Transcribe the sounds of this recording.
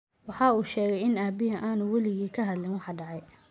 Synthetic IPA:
wɑħɑuːʃɛːɣɛjɪnaːbɪɦɐʔaːnʊwɐlɪɣiːkʰɐɦɐd̪lɪnwɑħɑɖɑʕɑj

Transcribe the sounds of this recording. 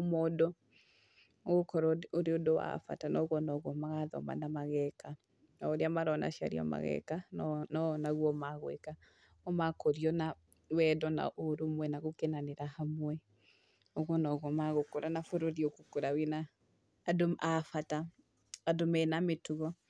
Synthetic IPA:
omɔdɔ | ɣokɔɾɔoɾeodowa̰fa̰tanɔɣɔnɔɣɔmaɣaðɔ̰ma̰namaɣɛka | naoɾeamaɾɔnʔa̰ʃia̰ɾḭɔ̰ma̰ɣɛ̰kannɔnaɣwɔmaɣwɛ̰ka | ɔmakoɾiɔna | wɛdɔna̰ʔoɾomwɛnaɣokenaneɾahamwɛ | ɔɣɔnɔɣɔmaɣokoɾanafoɾoɾiokokoɾawɛnaː | doafataː | domɛnametuɣɔ

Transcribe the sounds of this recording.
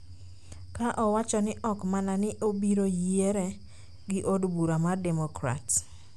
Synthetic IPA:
kaʔɔwat͡ʃɔnɪʔɔkmananɪʔobiɾojeɾe | ɡɪʔodbuɾamadɛmokɾa̰t

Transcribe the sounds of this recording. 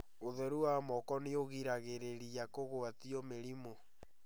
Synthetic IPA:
oðɛɾuwamɔkɔneoɣiɾaɣeɾeɾiakoɣoatiɔmeɾimo

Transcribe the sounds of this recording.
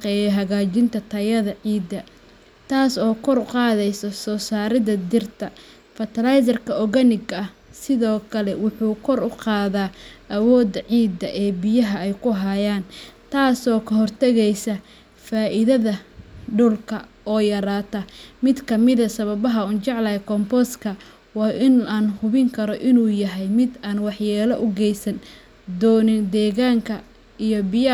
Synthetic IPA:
qɛːjɛɦɐɣaːt͡ʃɪnt̪ʰɐt̪ʰɐjɐðɐʕiːd̪ɐ | t̪ʰaːsɔːkʰɔrʊqɑːðɛjsɔsɔːsaːɾɪðɐd̪ɪrt̪ʰɐ | fɐt̪ɐlajs̬ɐrkʰɐɔɣɐnɪɡɐɐsɪðɔːkʰɐlɛwʊħuːkʰɔrʊqɑːðaːʔɐwɔːd̪ɐʕiːd̪ɐʔɛːbɪjɐɦɐɛjkʰʊɦajaːnt̪ʰaːsɔːkʰɐɦɔrt̪ʰɐɣɛjsɐ | faːʔɪðɐðɐɖʊlkʰɐ | ɔːjɐɾaːt̪ʰɐmɪd̪kʰɐmɪðɐsɐβɐβɐɦɐʊnt͡ʃɑʕlɐɛkʰɔmpɔskʰɐ | wɑːʔɪnaːnhʊβɪŋkʰɐɾɔʔɪnuːjɐɦɛjmɪd̪aːnwɑħjaːlɐʔʊɡɛjsɐn | d̪ɔːnɪnd̪ɛːɣaːŋkʰɐ | ijɔbɪj

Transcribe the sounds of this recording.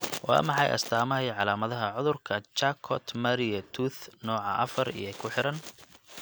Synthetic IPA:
wɑ̰ːmɑħɑjʔɐ̰st̪ʰaːmɐɦɛjʕɑlaːmɐðɐɦɐʕʊðʊrkʰɐt͡ʃakʰɔt̪ʰmɐɾijɐt̪ʰuːθnɔːʕɑʔɐ̰fɐrḭjɔkʰʊħɪɾɐn

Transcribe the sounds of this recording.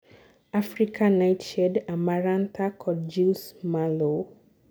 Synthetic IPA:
afɾikʰãnajtʃɛdamaɾãntʰakʰɔd͡ʒismalo

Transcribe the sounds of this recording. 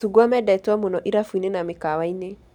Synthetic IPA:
uɡwamɛdɛtwamonɔʔiɾafinenamekawaine

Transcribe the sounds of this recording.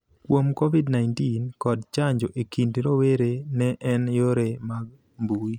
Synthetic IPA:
kwomkovidnaɪntinkɔdt͡ʃaɲd͡ʒoʔekʰindɾoweɾenɛʔɛnjoɾemaɡ̚ | mbui

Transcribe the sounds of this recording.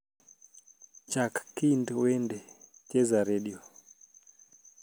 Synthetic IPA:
d͡ʒakkindwɛndɛt͡ʃɛzaɾɛɗiɔ

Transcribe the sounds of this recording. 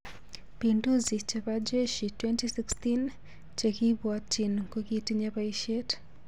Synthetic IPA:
pinduzit͡ʃaβad͡ʒɛʃitwɛntisikstin | t͡ʃakiβwatinkukitiɲaβaiʃɛt

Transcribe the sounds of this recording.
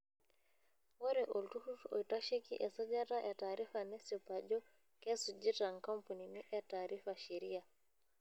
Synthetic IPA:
wɔɾɛʔɔltuhutɔ̰jtaʃekḭʔɛsad͡ʒataʔɛtaɾifanɛsɔpad͡ʒɔ | kɛsud͡ʒitaŋkampuniniʔɛtaɾifaʃiɾia

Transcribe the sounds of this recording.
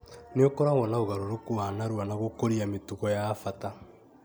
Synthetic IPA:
neokɔɾaɣɔnaoɣaɾoɾokuanaɾwanaɣokoɾiametuɣɔjafata

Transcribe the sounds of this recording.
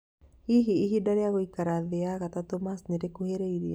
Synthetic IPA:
iɦiːɦidaɾiakuikaɾaðeakat̪at̪umasnɛɾekuɦeɾeidi

